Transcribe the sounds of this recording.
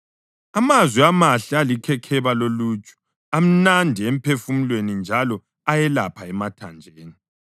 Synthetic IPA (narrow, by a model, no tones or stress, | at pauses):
amazwiamaɬialikʰɛkʰɛβalolut͡ʃʼu̥ | am̩nandʱiem̩pʰefumilwenind͡ʒʱalɔ | ajɛlapʰaɛmatʰand͡ʒʱeːni